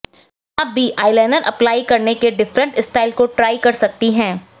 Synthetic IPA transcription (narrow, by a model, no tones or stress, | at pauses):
ɐb̚bʱiʔaːɪlɛːnəɾʔɐ̰plaːikɐɾnekeɖɪfɾə̃ɳʈɪsʈaːɪlkoʈɾaːɪkɐɾsɐk̚t̪iɦɛ̃ː